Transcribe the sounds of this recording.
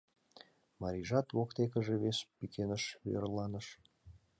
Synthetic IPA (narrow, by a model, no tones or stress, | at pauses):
mɑɾʲiʒɑt̪wokt̪ekə̆ʒeβespikʲʰenə̆ʃḛrlˠːɑnəʃ